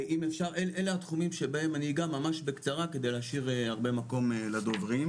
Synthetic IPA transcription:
ʔimefʃaʁelʔeleat̪χumimʃe̞bahe̞maniɡamamaʃbe̞kt͡saʁake̞d̪e̞jleaʃiʁeaʁbe̞mako̞melad̪ovʁim

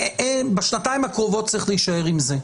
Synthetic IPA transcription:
ebeʃnataimhakʁovo̞t̚t͡sʁiχleiʃaeʁimze

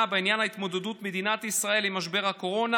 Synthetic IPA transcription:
beinjanhait̪mo̞d̪ed̪ut̪med̪inat̪isʁae̞limaʃbe̞ʁhako̞ʁo̞na

